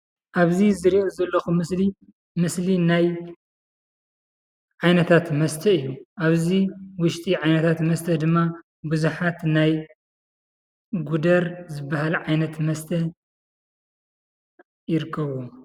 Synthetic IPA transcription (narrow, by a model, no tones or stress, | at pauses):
ʔaβzizɨɾiʔozɐlːɐxumɨsli | mɨslinaj | ʕajnɐt̪ʰat̪mɐst̪ʰɐɨjːuʔaβziwʊʃt̪ʼiʕajnɐt̪ʰat̪mɐst̪ʰɐd̪ɨmːa | buzuħat̪naj | ɡud̪ɐɾzɨbːahalʕajnɐt̪mɐst̪ʰɐ | jɪɾɨkʰːɐβu